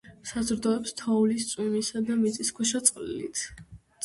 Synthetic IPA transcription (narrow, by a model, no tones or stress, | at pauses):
sazɾd̪ɔɛpst̪ʰaulist̪sʼwimisad̪amit̪sʼiskʰwɛʃat̪sʼqʼlḭlḭt̪ʰ